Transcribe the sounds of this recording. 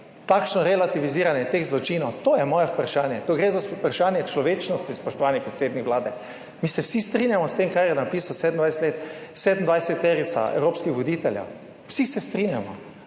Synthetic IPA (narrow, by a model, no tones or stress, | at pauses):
t̪akʃnɔɾɛlat̪iʋiziːɾanjɛt̪eɣzlɔt͡ʃinɔwt̪oːjɛmɔːjɛpɾaʃaːnjɛt̪oɡɾezaspɾaʃaːnjɛt͡ʃlɔʋeːt͡ʃnɔst̪ispɔʃt̪ɔʋaːnipɾɛt̪seːd̪nikʋlaːd̪ɛ | misɛwsist̪ɾinjamɔst̪emkaɾjɛnapiːsawsed̪ən̩d̪ajsɛt̪let̪seːd̪nd̪vʋajsɛt̪ːeɾit̪sa̰ɛ̰wɾoːpskixʋɔd̪iːt̪ɛljɛ̰w | wsisɛst̪ɾinjamɔ̰